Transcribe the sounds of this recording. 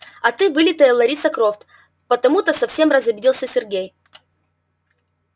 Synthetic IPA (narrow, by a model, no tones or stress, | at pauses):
ɐt̪ɨvɨlʲɪt̪əjəlˠɐɾʲisɐkɾoft̪ | pət̪ɐmut̪əsɐfsʲe̞mrəzɐbʲɪdʲilˠsʲəsʲɪrɡʲej